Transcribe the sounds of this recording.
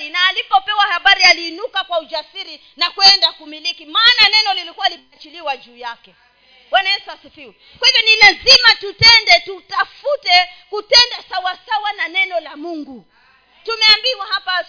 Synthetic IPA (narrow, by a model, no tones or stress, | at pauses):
inaːlipɔpɛwahaɓaɾialiːnukakwaud͡ʒasiɾi | nakwɛndakumilikimaːnanɛnɔlilikuwalimat͡ʃiliwad͡ʒuːjakɛ | wanaɛsasifii | kwahivɔnilazimatutɛndɛtutafutɛkutɛndasawasawananɛnɔlamuŋɡu | tumɛambiwahapa